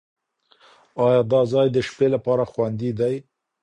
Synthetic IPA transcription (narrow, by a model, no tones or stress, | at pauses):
ɑjɑd̪ɑzɑjd̪əʃpelapɑɾaxwand̪id̪aj